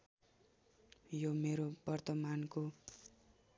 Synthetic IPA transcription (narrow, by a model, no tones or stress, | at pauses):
jomeɾobʌrt̪ʌmanko